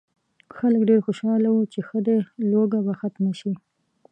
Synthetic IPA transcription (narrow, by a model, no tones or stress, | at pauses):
xaləkɖeɾxoʃɑlawut͡ʃexəd̪eloɡabaxat̪maʃi